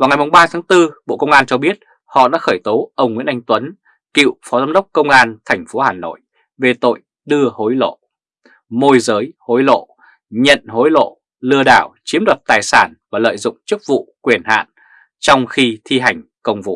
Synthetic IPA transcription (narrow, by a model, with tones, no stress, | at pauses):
vaː˨˩wŋa˨˩jmu˨˩ŋ͡mɓaː˧t̪ʰaː˨˦ŋt̪ɨ˧ɓo̰˧˨kə˧wŋ͡mʔaː˧nt͡ɕɔ˧ɓi˦˥ət̚ | hɔ̰˧˨ɗa̰ː˧˥xəː˧˩jt̪o˨˦ʔə˧wŋ͡mŋwḭ˧˥nʔa˧jŋ̟t̪wə˨˦n | kḭ˧˨wfɔ˨˦zaː˨˦wŋ͡mɗə˦˥wk͡p̚kːə˧wŋ͡mʔaː˧nt̪ʰɛ˨˩jŋ̟fo˨˦haː˨˩no̰˧˨j | ve˨˩t̪o̰˧˨j | ɗɨ˧əho˨˦jlo̰˧˨ | mo˧jzəː˨˦jho˨˦jlo̰˧˨ | ɲə̰˧˨nho˨˦jlo̰˧˨ | lɨ˧əɗaː˧˩wt͡ɕi˨˦əmɗwə˨˩t̚t̪aː˨˩jsaː˧˩nvaː˨˩lə̰ː˧˨jzʊ̰˧˨ŋ͡mt͡ɕɨ˦˥k̚vṵ˧˨kwi˨˩ənha̰ː˧˨n | t͡ɕɔ˧wŋ͡mxi˧t̪ʰi˧ɦa˨˩jŋ̟kə˧wŋ͡mvṵ˧˨